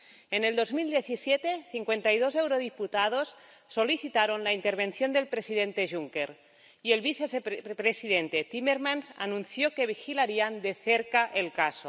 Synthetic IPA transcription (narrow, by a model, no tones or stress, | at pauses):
eneld̪ozmild̪jeθisjet̪eθiŋkwent̪ajðozewɾoðiput̪að̞osː | oliθit̪aɾonlaint̪eɾβ̞enθjond̪e̞lpɾesiðent̪eʒuŋkeɾ | ielβiθesepɾesiðent̪et̪imeɾmanza̰nũnθjokeβixilaɾiand̪eθeɾkaʔelkaso